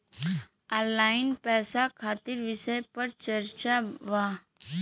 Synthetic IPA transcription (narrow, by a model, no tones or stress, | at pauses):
aːlaːɪnpɛːsakʰaːt̪ɪɾʋɪʃəjpɐɾt͡ʃɐɾt͡ʃaʋa